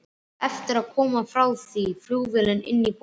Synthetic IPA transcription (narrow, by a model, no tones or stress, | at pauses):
ɛft̪əɾakʰɔːmafɾawsifluːvɪlənɪ̰nːib